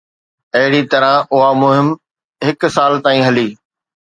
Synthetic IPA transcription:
ɐɦɪɽit̪ɐɾãʔʊɦamʊɦɪm | ɦɪk̆saːlt̪aːĩːɦɐliː

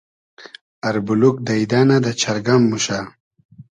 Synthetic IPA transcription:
aɾbuluk̚d̪aid̪anad̪at͡ʃaɾɡamːuʃa

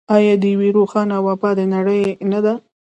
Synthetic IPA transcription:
ɑjɑd̪əjaweɾoxɑnawɑpɑd̪ənaɽəjnad̪a

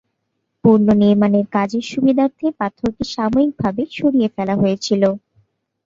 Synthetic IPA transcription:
puɾnoniɾmaneɾkad͡ʑeɾʃubid̪ʱaɾt̪ʰepat̪ʰoɾkeʃamoik̚bʱabeʃoɾiefɛlaɦoet͡ɕʰilo

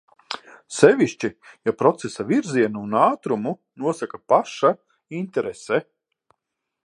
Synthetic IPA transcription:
sɛʋʲiʃt͡ʃijapɾɔt̪sesaviɾziɛnuunaːt̪ɾumu | nuɔsakapaʃa | int̪ɛɾesɛ

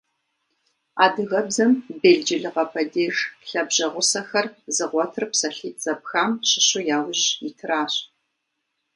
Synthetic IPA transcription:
a̰ːdɨɣɐbzɐmbeːɮd͡ʒɪɮɨʁɐpʰɐdeːʒɬɐbʑɐʁʷʊsɐxɐrzɨʁʷɔtʰɨrpsɐɬiːtʰz̥ɐp̚xaːmɕɪɕʊjaːwʊʑitʰɨɾaːɕʼ

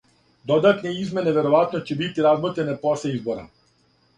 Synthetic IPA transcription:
d̪od̪at̪neizme̞neʋe̞ɾoʋat̪not͡ɕebit̪iɾazmot̪ɾeneposleizboɾa̰

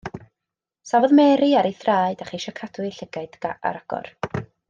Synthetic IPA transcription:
savɔðmɛːɾɨaɾejθraːɨd̥aχiʃɔkʰad̥wɨɬəɡaɨdɡaʔa̰ɾaɡ̥ɔ̰r

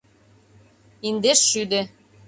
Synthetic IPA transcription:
ind̪eʃːyd̪ĕ

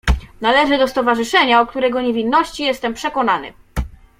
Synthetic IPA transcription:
nalɛʐɘd̪ɔst̪ɔvaʐɘʂɛɲaɔkt̪uɾɛɡɔɲevʲinːɔɕt͡ɕijɛst̪ɛmpʂɛkɔnanɘ̰

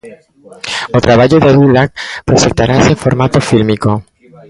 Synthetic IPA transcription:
ot̪ɾaβaʝoðeaðulak̚pɾesent̪aɾaseɱfo̞ɾmat̪o̞filmiko̞

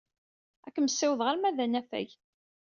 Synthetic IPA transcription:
ækːməsːɪwðʁaɾmæðænæfæ̰ʝ

